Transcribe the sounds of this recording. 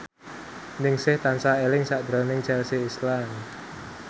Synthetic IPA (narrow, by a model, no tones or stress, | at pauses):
nɪŋsɪht̪ansaelɪŋsaʔd̪̥ɾɔ̤nɪŋd͡ʒɛlseːslam